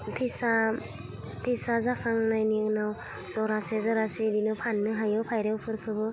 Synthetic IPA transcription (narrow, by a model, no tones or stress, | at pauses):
pʰisa | pʰisazakʰaŋnajniŋnaw | zɔɾasezaɾasidinɯpʰanːɯɦajɯwpʰajɾewpʰɯɾkʰɯbɯ